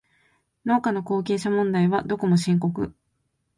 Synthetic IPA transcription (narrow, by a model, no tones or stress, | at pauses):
no̞ːkano̞ko̞ːkʲe̞ːɕamõ̞nd̪aiβad̪o̞ko̞mo̞ɕĩŋko̞kɯ̟̰